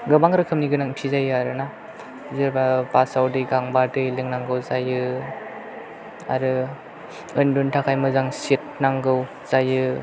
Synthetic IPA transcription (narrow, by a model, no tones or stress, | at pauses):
ɡɯbaŋɾɯkʰɯmniɡɯnaŋpʰizajɯaɾɯna | zɯɾbabasawdɯjɡaŋbadɯjlɯŋnaŋɡɯwzajɯ | a̰ɾɯ | ɯnduntʰakʰajmɯzaŋsit̚naŋɡɯw | z̥ajɯ